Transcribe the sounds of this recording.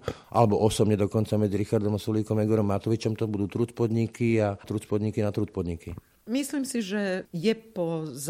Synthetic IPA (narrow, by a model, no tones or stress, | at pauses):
ʔa̰lɛbɔʔɔsɔbɲɛd̪ɔkɔnt͡samɛd͡ziɾixaɾd̪ɔmasuliːkɔmɛɡɔɾɔmːat̪ɔʋit͡ʃɔmt̪ɔbud̪uːt̪ɾut͡spɔd̪ɲikiat̪ɾut͡spɔd̪ɲikinat̪ɾut͡s̚pɔd̪ɲiki | misliːmsiʒɛjɛpɔz